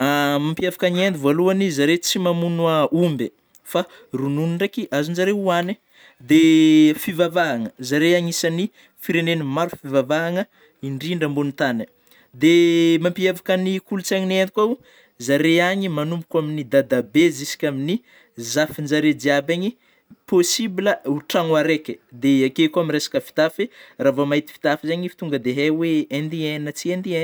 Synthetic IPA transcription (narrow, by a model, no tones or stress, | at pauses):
amampiavakaniend̪ivoluanizaɾet͡simamunaumbe | fa | rununuɳɖ͡ʐakiʔazunzaɾeuani | d̪efivavaɦaŋəzaɾeaɲisani | fiɾenenimaɾufivavaɦaŋə | iɳɖ͡ʐiɳɖ͡ʐəmbunut̪anə | d̪emampiavakənikulut͡saɲinent̪i̥kau | zaɾeaɲimanumbukʲaminid̪ad̪abezisi̥kʲamini | zafind͡ʒaɾed̪iabaɲi | posibiləuʈ͡ʂaŋwaɾekʲed̪eakekuamiɾesḁkəfi̥t̪aferavamait̪i̥fi̥t̪afizaɲifi̥t̪uŋɡəd̪eɦeweend̪ienət͡siend̪iɛ